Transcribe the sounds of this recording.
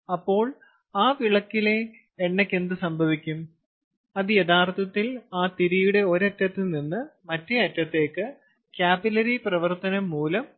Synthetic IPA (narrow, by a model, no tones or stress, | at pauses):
ɐpːo̞ːɭ | aːʋiɭɐkːile̞ː | ɳːekːe̞nd̪ɨsɐmbʱɐʋikʲːum | ɐðɨjet̪ʰaːrt̪ʰɐt̪ːilaːt̪iɾijuɽe̞o̞ɾɐtːɐt̪ːininːɨmɐtːeɐtːɐt̪ːe̞ːkːɨ | kjaːbilɐɾiprɐʋɐrt̪ɐnɐmːuːlɐm